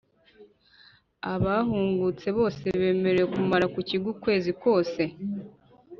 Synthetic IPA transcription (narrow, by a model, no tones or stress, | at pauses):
aβaɦuːŋɡut͡se̞βo̞ːse̞βe̞ːme̞ɾejekumaɾakuciɡukwe̞ːzikwo̞ːse̞